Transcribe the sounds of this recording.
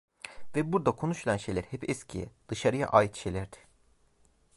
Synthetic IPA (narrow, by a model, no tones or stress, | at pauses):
vɛbuɾd̪akʰo̞nuʃulʲˠanʃejlʲæɾhɛpɛscʰijɛ̰d̪̥ɯʃaɾɯja̰ʔaːjit̪i̥ʃelʲæɾd̪̥ɪ̥